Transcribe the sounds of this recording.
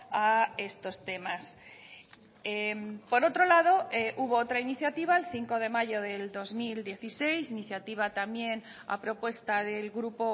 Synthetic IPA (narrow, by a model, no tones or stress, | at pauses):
ae̞st̪o̞st̪e̞mas | empo̞ɾo̞t̪ɾo̞lað̞o̞eʔuβo̞ot̪ɾainiθjat̪iβ̞aelθiŋko̞ðe̞maʝo̞ðe̞ld̪o̞zmild̪je̞θise̞jsiniθjat̪iβ̞at̪amje̞n | a̰pɾo̞pwe̞st̪aðe̞lɣɾupo̞